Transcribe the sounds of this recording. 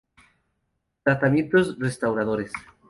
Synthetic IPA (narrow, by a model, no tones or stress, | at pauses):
t̪ɾat̪amjent̪osrest̪awɾað̞oɾes